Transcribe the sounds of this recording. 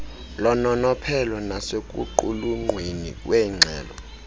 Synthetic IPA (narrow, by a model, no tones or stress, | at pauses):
lɔnɔnɔpʰɛlɔnasekʼṵǃuluŋ͡ǃwinḭkʼwɛːŋ͡ǀʱɛːlɔ̰